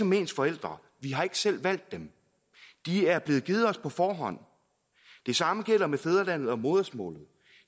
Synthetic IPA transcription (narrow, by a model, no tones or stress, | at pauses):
ɒ̽me̝̰ːnsfɒ̽el̰d̥ʁɐ | ʋiɦɑ̈e̝ɡ̥ə̥sel̰ʋæl̰d̥ːem | d̥iæɐb̥le̝ːð̞̩ˠɡ̥iːð̩ˠɒ̽spʰɒ̽fɒːɦɒ̽n̰ | d̥e̝sɑ̈məɡ̥el̰ɐmefeð̞ˠɐlæn̰ð̞̩ˠɒ̽mo̝ːðˠɐsmɔ̰̽ːlð̞̩ˠ